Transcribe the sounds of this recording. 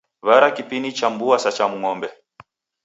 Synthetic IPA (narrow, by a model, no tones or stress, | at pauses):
βaɾakipinit͡ʃambuasat͡ʃamuŋɔmbɛ